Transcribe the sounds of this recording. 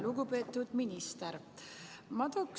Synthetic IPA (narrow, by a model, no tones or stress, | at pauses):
luɡ̥upe̞ːt̪ːˑud̪̥minist̪eɾ | mɑd̪ok